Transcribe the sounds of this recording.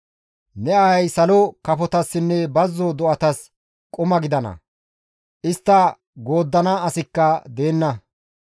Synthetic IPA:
nɛɐɐjsɐlɔkɐfɔt̪ɐsːɪnːɛbɐzːɔd̪ɔʔɐt̪ɐs | kʼʊmɐɡɪd̪ɐnɐ̰ | ʔɪst̪ːɐ | ɡo̞ːd̪ːɐnɐɐsɪkːɐd̪e̞ːnːɐ

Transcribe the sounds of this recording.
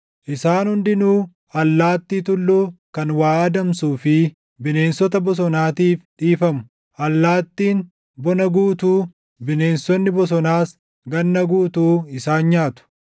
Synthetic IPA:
ʔɪsaːnhʊnd̪ɪnuː | ɐlːaːt̪ːiːt̪ʊlːuːkɐnwaːɐd̪ɐmsuːfɪ | bɪne̞ːnsɔt̪̬ɐbɔs̬ɔnaːt̪iːfᶑiːfɐmʊ̥ | ʔɐlːaːt̪ːiːn | bɔnɐɡuːt̪uː | bɪne̞ːnsɔnːɪbɔs̬ɔnaːs | ɡɐnːɐɡuːt̪uːɪsaːnɲaːt̪ʊ̥

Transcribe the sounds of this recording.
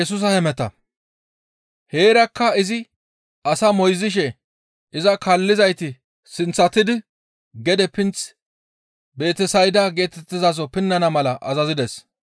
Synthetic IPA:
ɛs̬ʊs̬ɐhɛmɛt̪ɐ̰ | he̞ːɾɐkːɐɪzɪ | ɐsɐmɔjzɪʃ̬ɛ | ɪzɐkɐlːɪzɐjt̪ɪ | sɪnt͡sːɐt̪ːɪd̪ɪ | ɡɛd̪ɛpɪnt͡s | be̞ːt̪ɛsɐjd̪aːɡe̞ːt̪ɛt̪ːɪzas̬ɔpɪnːɐnɐmɐlɐʔɐzɐzɪd̪ɛs

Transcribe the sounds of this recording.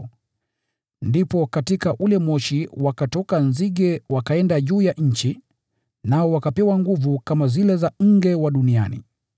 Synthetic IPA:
ndipɔkatikaʔulɛmwɔʃiwakatɔkanziɠɛwakaɛndaʄuːjaʔɲ̩t͡ʃi | naɔwakapɛwaŋɡuvukamazilɛzaŋ̩ɡɛwaɗunia̰nḭ

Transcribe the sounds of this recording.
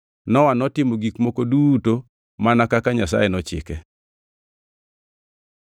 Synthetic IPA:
nɔwanɔtɪmoɡikmokoduto | manakakaɲasa̰jenɔt͡ʃɪ̰kɛ

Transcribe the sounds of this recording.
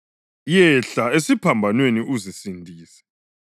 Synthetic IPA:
jɛɬaesipʰambʱanweniʔuzisindʱiːsɛ̥

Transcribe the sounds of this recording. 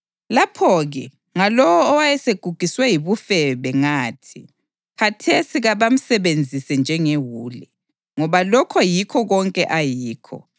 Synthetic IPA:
lapʰɔɣɛ | ŋalɔwɔːwajɛseɡ̥ʱuɡ̥ʱiswɛjiβufɛβɛŋaːtʰi | ɣʰatʰesiɣaβam̩sɛβend͡zʱisɛnd͡ʒʱɛŋeɦuːlɛ | ŋɔβalɔkʰɔjikʰɔɣɔŋkʼɛʔajiːkʰɔ̰

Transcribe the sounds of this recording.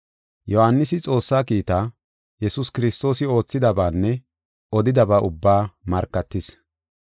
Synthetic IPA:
jɔhanːɪsɪt͡sʼo̞ːsːaːkiːt̪aː | jɛsʊskɪɾɪst̪o̞ːsɪo̞ːt͡sːɪd̪ɐbaːnːɛ | ʔɔd̪ɪd̪ɐbaːʔʊbːaːmɐɾkːɐt̪ːɪs

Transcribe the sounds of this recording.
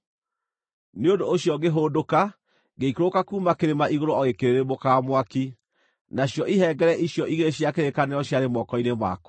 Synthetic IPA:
neondoːɕjɔɡeɦodoka | ɡeikɾokakuːmakeɾemaʔiɣoɾoɔɣekeɾeɾemokaːmwaki | naɕjɔʔiɦɛɡɛɾɛʔiɕjɔʔiɣeɕijakeɾekaneɔɕjaɾemɔkɔinema̰ko̥

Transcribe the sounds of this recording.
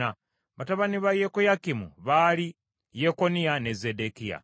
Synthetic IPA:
a | βataβaniβajekojakimṵβali | jeko̞nijanezedekija̰

